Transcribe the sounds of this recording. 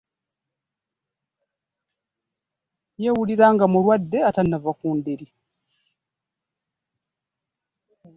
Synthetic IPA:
jewuliɾaːŋɡamulwadːe̞atanːavakuːndeɾi

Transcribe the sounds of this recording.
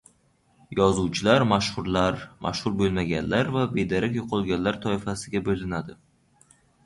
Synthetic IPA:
jɒzuwt͡ʃʰɪlaɾmaʃχʊɾlaɾmʔa̰ʃhʊɾbolˠmaɡʲanlaɾvabe̞d̪aɾakʲjoqʰɒlˠɡʲanlaɾt̪ʰɒɪfasɪɡʲabolɪnad̪ɪ

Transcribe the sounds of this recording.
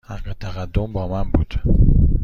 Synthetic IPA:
hæqet̪ʰæʁæd̪ːombɒːmæmbuːd̪̥

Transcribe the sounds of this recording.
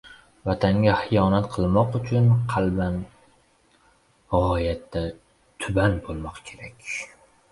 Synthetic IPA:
vat̪ʰaŋɡʲahɪjɒnat̪qʰɨlˠmɒqʊt͡ʃʰʊnqʰɑlban | ʁɒjat̪ːa | t̪ʰʊbanbolˠmɒqkʲʰe̞ɾakʲ

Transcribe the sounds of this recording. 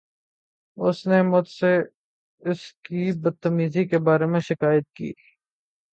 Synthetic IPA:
ʊsnemʊd̪se | ɪskibɐd̪̚t̪ːəmiːzikebaːɾemẽʃɪkaːjət̪̚kḭː

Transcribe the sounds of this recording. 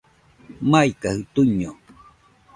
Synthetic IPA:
maikahɯt̪uɲo

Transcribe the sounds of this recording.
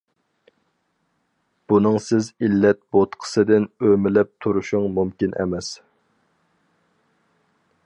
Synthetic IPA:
b̥unɨŋsɪzilːɛt̪̚bot̪qʰə̥sɨd̪ɪnømɪlɛp̚t̪ʰuɾuʃʊŋmumkʲinʔɛ̰mɛs

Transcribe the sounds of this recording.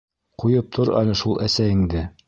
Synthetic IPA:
qujɤp̚t̪ʰoɾæ̰lɘʃulˠʔæsæiŋd̪ɘ

